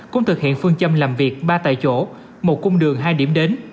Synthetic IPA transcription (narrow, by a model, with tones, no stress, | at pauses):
kʊ̰˧˥ŋ͡mt̪ʰɨ˨˩k̚hḭ˧˨ənfɨ˧əŋt͡ɕə˧mlaː˨˩mvi˨˩ək̚ɓaː˧t̪a̰ː˧˨jt͡ɕo̰˧˩ | mo˨˩t̚kʊ˧wŋ͡mɗɨ˨˩əŋɦaː˧jɗi˧˩əmɗe˨˦n